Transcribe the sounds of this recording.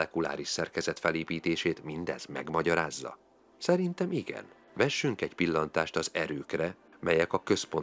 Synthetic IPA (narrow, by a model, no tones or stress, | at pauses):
ɛkula̰ːɾiʃsɛrkɛzɛt̪fɛleːpiːt̪eːʃeːt̪mind̪ɛ̰z̥mɛ̰ɡmɒɟɒɾaːzːɒ̰ | sɛɾint̪ɛmiɡɛ̰n | vɛʃːyŋkɛɟpilːɒnt̪aːʃt̪ɒzɛɾøːkrɛ | mɛjɛkɒkø̞spo̞n